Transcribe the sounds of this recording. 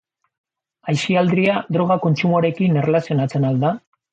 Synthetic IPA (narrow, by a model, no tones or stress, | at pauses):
ajsiald̪ɾiad̪ɾo̞ɣ̞ako̞nt͡ʃumoɾe̞kine̞relasio̞nat͡se̞nald̪a